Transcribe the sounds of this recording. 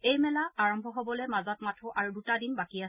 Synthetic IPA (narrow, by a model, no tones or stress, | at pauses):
ejmɛlaaɹɔmbʱɔɦobɔlɛmazɔtmatʰuʔaɹudutadinbakias